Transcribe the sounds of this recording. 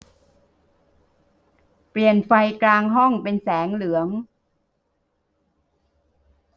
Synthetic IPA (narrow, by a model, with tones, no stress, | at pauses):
pli˨˩ənfa˧jklaː˧ŋɦɔ˥˩ŋpe˧nsɛː˩˦ŋlɯ˩˦əŋ